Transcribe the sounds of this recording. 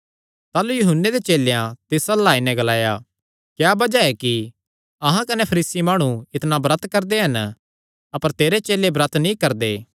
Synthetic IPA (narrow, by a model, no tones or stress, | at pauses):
t̪aːlujʊɦʊnːed̪et͡ʃeːlejãt̪ɪsɐlaːinɛ̃ɡɐlaːja | kjaːbɐd͡ʒaɛki | ɐɦãkɐnɛpʰɐɾiːsimaːɽ̃ũɪt̪nabɾɐt̪kɐɾd̪eɦɐn | ɐpəɾt̪eːɾet͡ʃeːlebɾɐt̪ʰnĩkɐɾd̪eː